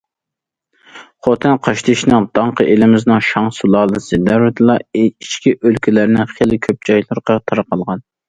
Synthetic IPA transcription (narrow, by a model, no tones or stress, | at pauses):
χot̪ʰɛnqʰɑʃt̪ʰɪʃnɨŋd̪ɑɴqʰəʔelɪmɪznɨŋʃɑŋsulˠɑːlˠɨsɨd̪æɾwɛd̪ɨlˠɑeiʃkʲiʔølkʲʰilæɾnɪŋχelɪkʲʰøp̚d͡ʒɑjlˠɨɾqʰɑt̪ʰɑɾɑqɑlˠʁɑn